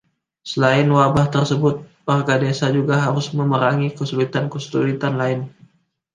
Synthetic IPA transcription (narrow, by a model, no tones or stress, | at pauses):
səlaɪnwabaht̪ərsəbʊt̪̚parɡadesad͡ʒuɡaɦaɾʊsməməɾaŋikəsulit̪ankəstulit̪anlaɪn